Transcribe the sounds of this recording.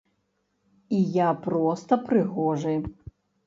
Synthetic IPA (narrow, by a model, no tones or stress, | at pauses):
ijapɾɔst̪ɐpɾɨɣɔʐɨj